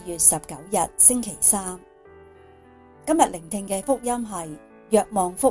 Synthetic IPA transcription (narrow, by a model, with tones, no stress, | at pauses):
jyː˨t̚sɐ˨p̚kɐ˨˥wjɐ˨t̚sɪ˥ŋkʰe˨˩jsaː˥m | kɐ˥mjɐ˨t̚lɪ˨˩ŋt̪ʰɪ˧ŋkɛː˧fʊ˥k̚jɐ˥mɦɐ˨j | jœː˨k̚mɔː˨ŋfʊ˥